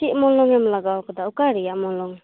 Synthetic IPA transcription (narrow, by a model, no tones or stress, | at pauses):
iʔ̚mɔnlɔŋɛmlaɡawkʰɔdaukaɾijaʔmɔnlɔŋ